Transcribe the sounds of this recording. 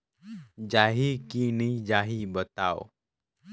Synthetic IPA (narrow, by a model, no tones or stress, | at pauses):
d͡ʒaːɦikinid͡ʒaːɦibət̪aːo̰